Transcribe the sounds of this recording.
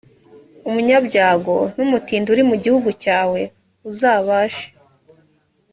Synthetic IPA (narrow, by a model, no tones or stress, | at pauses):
umuɲabɟaːɡo̞n̥umutiːnduɾimuɟihuɡucaːwe̞ | uzaːβaːʃe̥